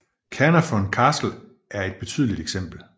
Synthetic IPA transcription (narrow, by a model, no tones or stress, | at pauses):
kʰænɐfɒnkʰɑ̈ːsl̩ | ʔæɐe̝d̥̚b̥e̝t͡sʰy̰ːð̞ˠlid̥eɡ̥sem̰b̥l̩